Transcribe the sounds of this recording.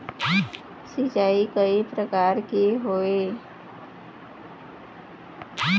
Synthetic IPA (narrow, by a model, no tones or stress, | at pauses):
sit͡ʃaːikəipɾəkaːɾkeɦoːeː